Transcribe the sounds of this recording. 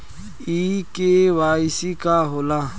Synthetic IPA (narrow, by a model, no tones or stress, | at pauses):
ikeːwaːsikaɦola